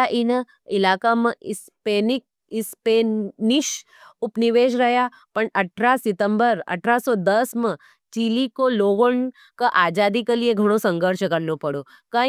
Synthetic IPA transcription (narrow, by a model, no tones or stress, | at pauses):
aʔinə | ɪlaːkamə̃ɪs | peːnɪk̚ | ɪspenɪʃ | ʊpnɪʋeːʃɾɐɦja | pəɳɐʈʰɾasɪt̪əmbəɾɐ̰ʈʰɾasɔd̪əsmə̃ | t͡ʃilikoloːʋəɳ | kaʔaːd͡ʒaːd̪ikəlieɡʱɐɽ̃osə̃ŋɡʱəɾʃəkɐɾnopɐɽo | ka